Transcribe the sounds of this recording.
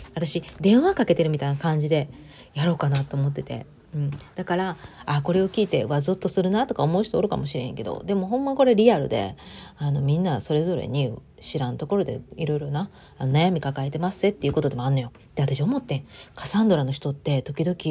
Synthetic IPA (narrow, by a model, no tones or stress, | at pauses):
βat̪aɕid̪ẽ̞ɰ̃βakake̞t̪e̞ɾɯ̟mit̪ainakãɲ̟d͡ʑid̪e̞ | jaɾo̞ːkanat̪ːo̞ːmo̞t̪ːe̞t̪e̞̰ | ɯ̟̃ɴd̪̥akaɾaːko̞ɾe̞o̞kʲiːt̪e̞βazot̪ːo̞sɨɾɯ̟nat̪o̞kaomo̞ɯ̟ɕi̥t̪oːɾɯ̟ka̰mo̞ɕiɾehẽŋke̞d̪o̰d̪e̞mo̞ɦõ̞mːako̞ɾe̞ɾʲiaɾɯ̟d̪e̞̰ano̞mʲĩnːaso̞ɾe̞zo̞ɾe̞̰ɲ̟i | ɕiɾãnt̪o̞ko̞ɾo̞d̪e̞̰iɾo̞iɾo̞na | ano̞najamʲikakaet̪e̞masɨ̥e̞t̪ːe̞iɯ̟ːko̞t̪o̞d̪e̞moanːo̞jo̞ | t̪ːe̞at̪aɕio̞mo̞t̪ːẽkasãnd̪o̞ɾano̞çi̥t̪o̞t̪ːe̞t̪o̞kʲid̪o̞kʲi